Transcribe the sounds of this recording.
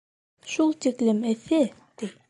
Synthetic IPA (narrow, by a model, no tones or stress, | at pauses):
ʃulˠt̪iklɘmɘθɘt̪ij